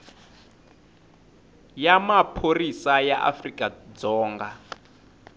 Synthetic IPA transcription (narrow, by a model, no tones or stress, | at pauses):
jamapʰorisajaʔa̰frikʼad͡zɔːŋɡa